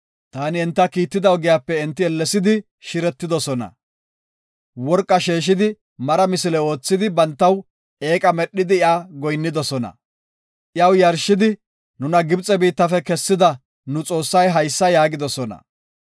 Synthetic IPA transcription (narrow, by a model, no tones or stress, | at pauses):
t̪aːnɪɛnt̪ːɐkiːt̪ːɪd̪ɐwɡɪjaːpːɛɪnt̪ːɪɛlːɛsɪd̪ɪ | ʃɪɾɛt̪ːɪd̪ɔsɔnɐ̰ | wɔɾkʼːɐʃeːʃ̬ɪd̪ɪ | mɐɾɐmɪsɪlɛo̞ːt͡sːɪd̪ɪbɐnt̪ːɐw | ʔe̞ːkʼɐmɛɗːɪd̪ɪɪaːɡɔjnːɪd̪ɔsɔnɐ̰ | ʔɪjɐwjɐɾʃːɪd̪ɪ | nʊnɐɡɪbt͡sʼɛbiːt̪ːɐfɛkɛsːɪd̪ɐ | nʊt͡sʼo̞ːsːɐjɦɐjsːɐjaːɡɪd̪ɔsɔnɐ̰